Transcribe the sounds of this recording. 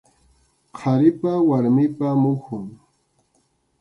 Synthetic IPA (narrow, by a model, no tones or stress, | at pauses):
qʰɑɾɪpawaɾmɪpamʊhʊŋ